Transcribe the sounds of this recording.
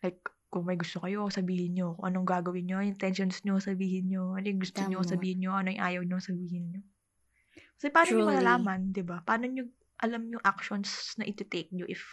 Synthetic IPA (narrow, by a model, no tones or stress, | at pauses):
lajk̚ː | ʊŋmɐjɡʊst̪o̞kɐjo̞sɐbiːhɪnɲokʊŋʔɐnoŋɡaːɡɐwɪnɲojʊŋt̪ɛnʃonsɲosɐbiːhɪnɲoʔɐnojʊŋɡʊst̪oɲosɐbiːhɪnɲoʔɐnojʊŋʔaːjɐwɲoŋsɐbiːhɪnɲo | kɐsɛpɐaːnoɲomɐlalaːmɐnd̪ɪbapɐʔaːnoɲo | ʔɐlamɲʊŋʔak̚ʃonsnɐʔɪt̪ɛt̪ek̚ɲoʔɪf